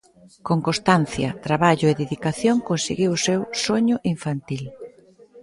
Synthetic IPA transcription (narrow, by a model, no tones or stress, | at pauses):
koŋkost̪an̟θjɐt̪ɾaβaʎʊeðeðikaθjoŋkonseɣiwʊsewsoɲʊʔiɱfant̪il